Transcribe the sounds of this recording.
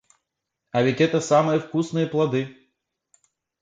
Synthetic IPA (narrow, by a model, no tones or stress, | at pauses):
ɐvʲɛt͡sʲɛt̪ɐsamɨjɐwkusnɨjɐplˠad̪ɨ